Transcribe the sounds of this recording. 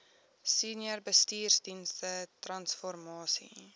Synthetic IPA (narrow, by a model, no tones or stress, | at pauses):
siːnjərbəstiːrsdinstətrɐnsfɔrmɑːsḭ